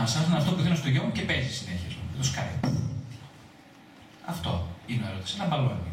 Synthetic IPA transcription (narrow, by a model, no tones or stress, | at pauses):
ɐsɐsɐnɐft̪opuθinɐst̪oʝomucepesisineçiezmuet̪oskajp | ɐft̪o̞̰ineoeɾo̞t̪i̥sɐlɐmbɐloeni